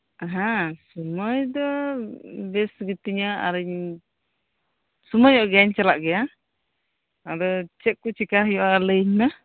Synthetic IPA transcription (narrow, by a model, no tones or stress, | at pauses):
aɦasuməjd̪ɔ | bɛsɡit̪iɲaa̰ɾəɲ | suməjɔʔɡaɲt͡ʃalaʔɡɛja | aɾɔt͡ʃɛk̚ːut͡ʃikaɦjɔʔaləɲna